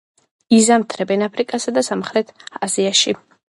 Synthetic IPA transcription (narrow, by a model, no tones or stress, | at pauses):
izamt̪ʰɾɛbɛnapʰɾikʼasad̪asamχɾɛt̪ʰaziaʃi